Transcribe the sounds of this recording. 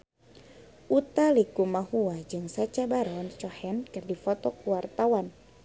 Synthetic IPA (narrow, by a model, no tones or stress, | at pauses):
ʔut̪alikumahuad͡ʒɨŋsat͡ʃabaɾɔnt͡ʃɔhɛnkɨrdifɔt̪ɔkuwart̪awan